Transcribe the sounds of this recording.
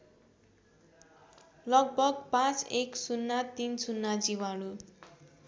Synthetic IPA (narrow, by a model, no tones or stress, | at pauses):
lʌɡ̚bʌɡpãt͡seksunːat̪insunːad͡ziwaɽu